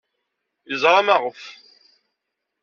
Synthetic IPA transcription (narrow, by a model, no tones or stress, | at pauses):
jəzˤɾˤɑmɑʁəf